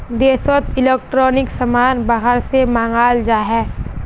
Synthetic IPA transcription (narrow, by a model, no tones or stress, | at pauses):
d̪eːswət̪ɪleːk̚ʈɾɔːnɪksəmaːnbaɦəɾsemãːŋɡaːld͡ʒaːɦɛː